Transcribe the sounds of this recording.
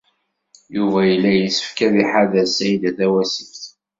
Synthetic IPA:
juvæjəlːæjəsə̥fkæðiħaðæsæjd̪æθæwæsəfθ

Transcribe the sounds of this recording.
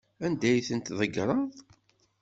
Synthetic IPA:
ænd̪æjθənt̪ðˤəɡɾˤɑðˤ

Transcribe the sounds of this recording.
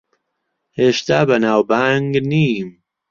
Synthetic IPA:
heːʃt̪aːbɐnaːwbaŋɡniːm

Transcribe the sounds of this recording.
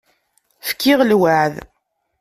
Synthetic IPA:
fkːɪʁlwaʕð

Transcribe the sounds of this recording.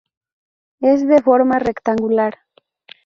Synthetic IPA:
ezðefoɾmarekt̪aŋɡulaɾ

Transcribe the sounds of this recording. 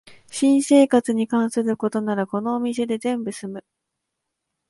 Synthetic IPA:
ɕĩɰ̃se̞ːkat͡sɨɲ̟ikãɰ̃sɨɾɯ̟ko̞t̪o̞naɾako̞no̞ːmʲis̬e̞d̪e̞zẽ̞mbɯ̟sɨmɯ̟

